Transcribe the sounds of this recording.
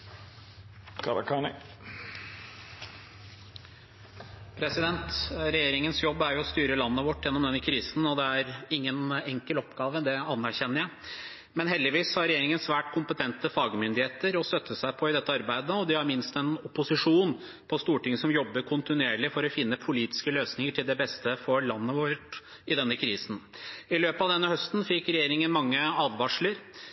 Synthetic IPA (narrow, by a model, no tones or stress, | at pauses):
kʰɑɾɑ̰kʰɑːnɪ | pʰɾɛsɪd̪ɛnt̪ɾɛjeːɾɪŋənsjɔbːæɾjʊɔst̪yːɾəlɑnːəʋɔʈːjɛnːɔmd̪ɛnəkʰɾiːsn̩ɔd̪ɛæɾɪŋːənɛŋkəlɔpɡɑːʋəd̪ɛɑnːæɾçɛnːəɾjæɪ | mɛnɦɛld̪ɪʋiːsːɔhɑɾɛjeːɾɪŋənsʋæːʈkʰʊmpət̪ʰɛnt̪əfɑːɡmʏnd̪ɪheːt̪əɾɔst̪œt̪ːəsæɪpʰɔɪd̪ɛt̪ːəɑɾbæɪd̪əɔd̪ɪhɑɾmɪnst̪ɛnɔpːʊsɪʂuːn | pʰɔst̪uːʈɪŋːəsɔmjɔbːəɾkʰʊnt̪ɪnʉeːɭɪfɔɾɔfɪnːəpʰʊliːt̪ɪ̥skəløːsnɪŋəʈʰɪld̪ɛbɛst̪əfɔɾɭɑnːəʋɔʈ | ɪd̪ɛnːəkʰɾiːsn̩ɪløːpəɑʋd̪ɛnːəhœst̪n̩fɪkːɾɛjeːɾɪŋənmɑŋːəɑːʋʋɑʂləɾ